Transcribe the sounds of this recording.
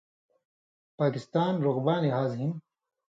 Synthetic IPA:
paːkist̪aːnɾʊɣbaːniɦaːzɦin

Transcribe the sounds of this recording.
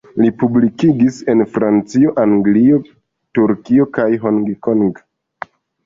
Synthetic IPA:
lipublikiɡise̞nfɾant͡sio̞ʔaŋɡlio̞ | tuɾkio̞kajɦoŋɡkoŋɡ

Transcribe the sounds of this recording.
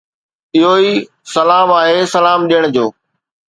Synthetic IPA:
ɪɦoiː | sɐlaːmaːɦesɐlaːmɗijəɽ̃d͡ʑoː

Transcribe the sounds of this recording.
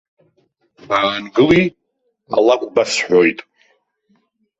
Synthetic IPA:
baːnɡɨli | a̰lakʷʼbasħʷᶣojtʼ

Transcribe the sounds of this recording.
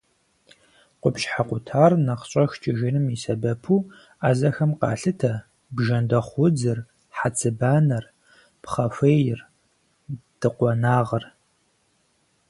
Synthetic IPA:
qʷʊpʃħaqʷʊtʰaːrnɐqɕʼɐxt͡ʃʼɪʒɪnɨmisɐbɐpʰu | aːzɐxɐmqɑ̰ːɬɨtʰɐ | bʒɐndɐχʷʊd͡zɨr | ħat͡sʰɨbaːnɐr | pχɐfeːjɪr | d̥ɨqʷɔnaːʁɐr

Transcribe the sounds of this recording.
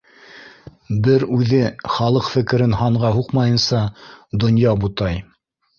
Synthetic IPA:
bɘɾʉðɘχɑlˠɤqfɘ̆kɘ̆ɾɘnɦɑɴʁɑɦuqmɑjɤ̆nsɑd̪ŏnjɑbut̪ɑj

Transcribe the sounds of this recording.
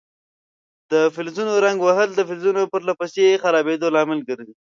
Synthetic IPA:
d̪̥əfɪlzunoɾaŋɡwaɦəld̪əfɪlzunopəɾlapəsexaɾɑbed̪olɑmɪlɡəɾd̪i

